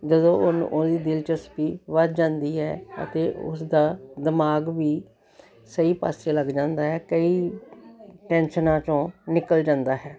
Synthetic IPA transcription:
d͡ʒəd̪õːʊn̰od̪iːd̪ɪlt͡ʃəspiːʋət̪d͡ʒãːnd̪iːɦɛːə̰t̪eːʔʊ̰sd̪aːd̪ɪmaːɡʋiː | səiːpa̰ːseːləɡd͡ʒãːnd̪aːɦɛːkəiː | ʈɛ̃ːnʃənãːt͡ʃõːnɪkəld͡ʒãːnd̪aːɦɛː

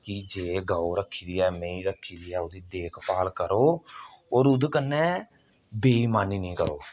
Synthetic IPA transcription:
kid͡ʒeːɡaːoɾəkʰːiːd̪iːɛːmẽːiːɾəkʰːiːd̪iːɛːʊd̪iːd̪eːkʰpaːlkəɾoːoːɾʊd̪kənːɛː | beːiːmaːnːiːnĩːkəɾoː

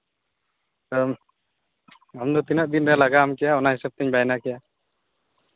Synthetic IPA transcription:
ɔ | amd̪ɔt̪inaʔ̚d̪inɾɛalaɡaamkijaɔnaɦisab̚t̪ɛɲbajnakija

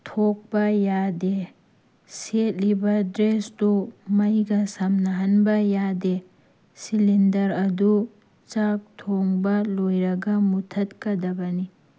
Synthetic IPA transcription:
tʰok̚bɐjade | set̚libɐdɾesdumɐjɡɐsɐmnɐɦɐnbɐjade | silindɐɾɐdu | t͡ʃak̚tʰoŋbɐlojɾɐɡɐmutʰɐtkɐdɐbɐni

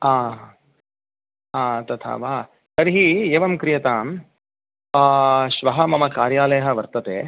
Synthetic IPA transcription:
aː | aːt̪ɐt̪ʰa̰ːʋaː | kɐɾiɦieːʋɐmkɾijɐt̪aːm | ʃʋɐɦɐmɐmɐkaːɾjaːlɐjɐɦɐ̆ʋɐɾt̪ɐt̪eː

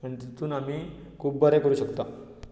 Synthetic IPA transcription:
məɳt̪it̪uːnamiː | kʰuːb̚bʱəɾekəɾuːɕəkt̪a

